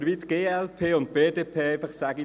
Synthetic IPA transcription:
ɾvit̪ɡ̥eːɛlpʰeːʊnt̚b̥eːdeːpʰeːɛɪfɑχsæɡi

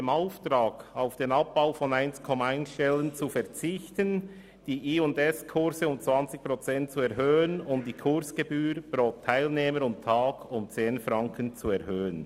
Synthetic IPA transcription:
demaʊftɾaːɡ̥aʊfd̥eːnɑp̚b̥aʊfɔnaɪnskʰɔmaaɪnsʃtɛlənt͡sufɛʁt͡sɪçtən | d̥iːʔiːʊndɛskʰʊʁɾzəʊmt͡sv̥ɑnt͡sɪçpɾɔt͡sɛnt̚t͡suɛʁɦøːənʊmd̥iːkʰʊɾsɡ̥ebyːɾb̥ɾoːtʰːaɪlneːməɾʊntʰaːɡ̥ʊmt͡seːnfɾɑŋkənt͡suɛʁhøːən

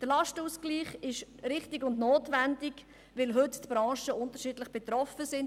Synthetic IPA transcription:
d̥əɾlɑʃtəuːskliːχɪʃɾɪχtɪɡʊndnoːtʋændɪɡ | ʋɪlɦʏttb̥ɾɑ̃ːʃəʊntəɾʃiːdləχb̥ɛt̪ɾɔfəsɪn

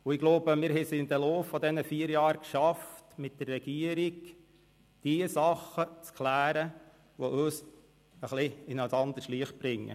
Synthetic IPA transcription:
ʊɪɡ̥loʊbəmɪːɾhɛsɪnd̪əloːfːɔd̪ɛnəfiːəɾjɑːɾkʃɑftmɪt̚d̥̪ərːɛɡ̥iəɾiɡ | d̥iəsɑχət͡skʰlæːɾə | ʋɔʔøːs | əχlɪɪnasɑnd̪əɾʃliəχb̥ɾɪŋːə̰

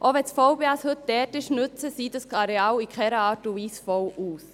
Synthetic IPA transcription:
ʔoʋɛt͡sfɔwbeɑshɵt̚d̥ɛːtɪʃnʉt͡səsiːdəsɑɾeɑːwikχɛɾəɑːtuʋiːsfɔwʔuːs

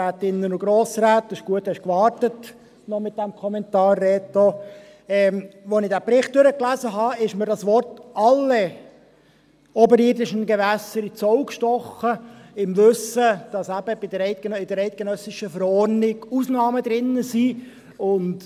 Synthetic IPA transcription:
æːt̪ɪnːənʊɡ̥ɾoːsɾæːt̪ɪʃɡ̥uəthɛʃkʋɑrtət | nɔmɪt̪̚d̥æmkʰɔmɛntɑːrːɛːt̪o | ɛmʋɔnɪdæːpɾɪχt̚d̥øɾəklæzəɦɑɪʃmədɑsʋɔrtɑlːe | ɔbəɾidɪʃənɡɛʋæsəɾit͡sɔʊkʃtɔχəɪmʋøsəd̥ɑsæb̥əb̥ɪdəɾɛɪt̚ɡ̥enɪd̪əɾɛɪt̚ɡ̥enœsɪʃəfəɾɔrnɪɡusnɑːməd̪ɾɪnːəsiː | ʊnt

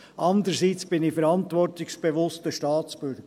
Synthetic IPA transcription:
ʔɑnd̪əɾsiːt͡sb̥ɪnɪfɛɾɑntʋɔrtɪksb̥eʋʊstəʃtɑːt͡sb̥ʏɾɡə

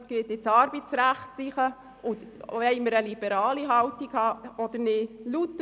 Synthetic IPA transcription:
sɡ̥eːt̪ɪt͡sɑɾbitt͡sɾæχtsiχə | ʊɛɪməɾəlib̥ɛɾɑːliɦɑwtiɡ̥hɑɔd̪̥əɾnɪlut̪ː

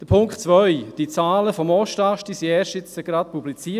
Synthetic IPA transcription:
d̥əpʰʊŋktt͡svœʏd̥it͡saːləfɔmɔʃtaʃtisiɛːʃtɪt͡səɡ̥ɾat̚publit͡siː

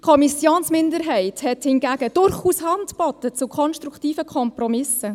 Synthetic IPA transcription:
kʰɔmisjoːnsmɪndəɾɦɛɪthɛthɪnɡæːɡəd̥ʊɾχuːshɑntbɔtət͡sukʰɔnʃtɾuktiːfəkʰɔmprɔmɪsə

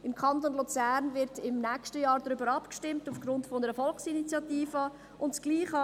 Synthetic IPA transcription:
ɪmkʰɑntonlut͡sæːɾnvɪɾtɪmnɛkʃtəjɑːɾdɾʏbəɾɑpkʃtɪmtufɡ̥ɾʊntfonəɾəfɔlksinit͡sjɑtiːfə | ʔʊntsɡ̥liːχɑ

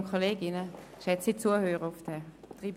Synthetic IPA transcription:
nkʰχoleːɡɪnə | ʃɛt͡sit͡suəhøːʁəʊfd̥ɛ | tʁib

